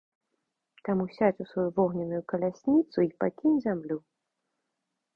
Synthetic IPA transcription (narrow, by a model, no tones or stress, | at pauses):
t̪amusʲat͡sʲusvɔjuvɔɣnʲinujukɐlʲasʲnʲit̪suipakʲinʲzʲamlʲu